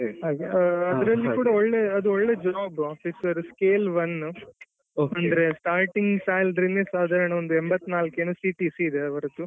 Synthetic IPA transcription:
ɦaːɡeɐd̪ɐɾɐlːikuːɽɐoɭːeɐd̪uoɭːed͡ʒaːbaːfisɐɾskeːlʋɐn | ɐnd̪ɐɾesʈaːɾʈiŋɡsaːjlɐd̪ɾinːesaːd̪ʱaːɾɐɳɐond̪uembɐt̪ːnaːlkeːnusiʈiːsiːd̪eɐʋɐɾɐt̪u

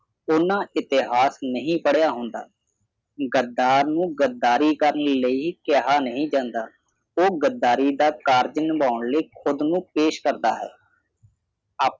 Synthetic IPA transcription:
ʊnãːɪt̪ɪɦaːsnəɦĩːpəɽjaːɦʊnd̪a̰ː | ɡəd̪ːaːɾnũːɡəd̪ːaːɾiːkəɾənləiːkɛɦaːnəɦĩːd͡ʒãːnd̪aː | oːɡəd̪ːaːɾiːd̪aːkaːɾd͡ʒnbaːʊɳləːkʰʊd̪nũːpeːʃkəɾd̪aːɦɛ̰ː

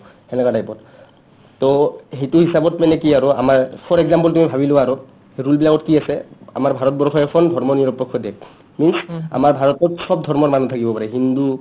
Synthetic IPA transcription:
hɛlɛkadajpɔt | tɔɦituɦisabɔtmɛnɛkiaɹɔa̰maɹpʰɔɹɛɡzampɔltumibʱabilowaːɹɔ | heɹulbilakɔtkiasɛa̰maɹbʱaɹɔtbɔɹkʰɔjɛkʰɔndʱɔɹmɔniɹɔpːɔkʰːɔdɛ | minsa̰maɹbʱaɹɔtɔtsɔbdʱɔɹmɔɹmanutʰakibɔpaɹɛɦindu

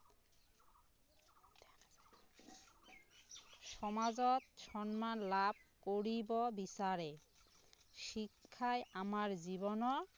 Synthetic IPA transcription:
ʃɔmad͡ʑɔt̪ʃɔnmanlab̚koɾibɔbisaɾe | ʃikʰːajʔamaɾd͡ʑibɔnɔ

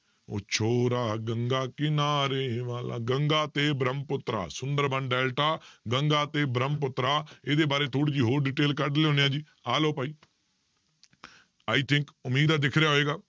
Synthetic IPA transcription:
o̰ːt͡ʃʰoːɾaːɡəŋɡaːkɪnaːɾeːʋaːla̰ːɡəŋɡaːt̪eːbɾəmpʊt̪ːɾa̰ːsʊnd̪əɾbəɳɖɛːlʈaːɡəŋɡaːt̪eːbɾəmpʊt̪ɾaːeːd̪eːbaːɾeːt̪ʰoːɽiːd͡ʒiːɦoːɾɖiːʈeːlkəɖleõːneãːd͡ʒiː | aːloːpaːiː | aːiːt̪ʰɪŋkʊmiːd̪aːd̪ɪkʰɾejaːɦoeːɡaː

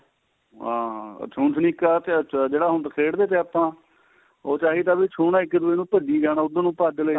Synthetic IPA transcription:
ɦãːt͡ʃʰuːnt̪ʰniːkaːt̪ed͡ʒeːɽaːɦʊnd̪kʰeːɽd̪eːt̪eːaːpãː | oːt͡ʃaːɦiːt̪̬aːbiːt͡ʃʰoːnaːɪkːd̪ʊeːnũːpəɖiːd͡ʒaːnaːʊd̪ãːnũːpaːd̪ləiː

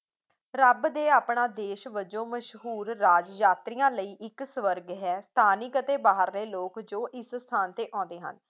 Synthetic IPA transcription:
ɾəbd̪eːaːpɳaːd̪eːʃʋəd͡ʒõːməʃɦuːɾːaːd͡ʒjaːt̪ɾɪjãːləiːʔɪksʋəɾɡɦɛːst̪ʰaːnɪkət̪eːbaːɦəɾleːloːkd͡ʒoːʔɪsst̪ʰaːnt̪eːʔɔ̃ːnd̪eːɦə̰n

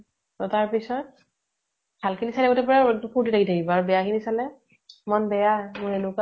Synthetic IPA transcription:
tɔtaɹpisɔt̚ | b̥ʱalkʰinisalɛotɛpɔɹapʰuɹtitʰakitʰakibɔaɹubɛjakʰinisalɛ | mɔnbɛjamʊɹenʊka

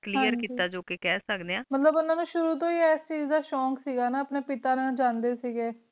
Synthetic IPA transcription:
kliːjəɾkiːt̪aːd͡ʒoːkekɛːsəkd̪eːãːmət̪ləbʊnãːnũːʃʊɾuːt̪̬õːiːɛːst͡ʃiːzd̪aːʃɔ̃ːksiːɡaːnaːəpneːpɪt̪aːnãːd͡ʒãːnd̪eːsiːɡeː

